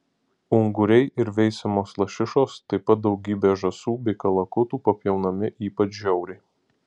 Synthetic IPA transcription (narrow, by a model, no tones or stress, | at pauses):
ʊŋɡʊɾʲɛɪʔɪɾʋʲɛɪsʲɐmoːslˠɐʃʲɪʃoːst̪ɐɪpɐt̪̚d̪ɒʊɡʲiːbʲeːʒɐsuːbʲɛɪkɐlˠɐkʊt̪uːpɐpʲjɛʊnɐmʲɪʔiːpɐt͡ʃʒʲɛʊɾʲɛɪ